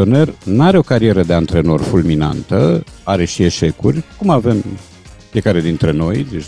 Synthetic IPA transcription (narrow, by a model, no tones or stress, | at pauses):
one̞rnaɾe̞o̞kaɾie̞ɾəd̪e̞ant̪ɾe̞no̞rfulmina̰nt̪əaɾe̞ʃie̞ʃe̞kurʲkumave̞m | fie̞kaɾe̞d̪int̪ɾe̞no̞jd̪et͡ʃ